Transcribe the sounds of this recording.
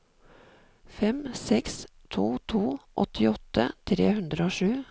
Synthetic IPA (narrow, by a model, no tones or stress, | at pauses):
fɛmsɛks | t̪ʰuːt̪ʰuːʔɔ̰t̪ʰɪɔt̪ət̪ʰɾḛːhʉnd̪ɾəoːʃʉː